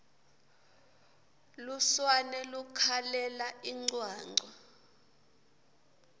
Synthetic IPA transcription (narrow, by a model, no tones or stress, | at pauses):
luswanɛlukʰalɛlaiŋ͡ǀwaːŋ͡ǀʱɔ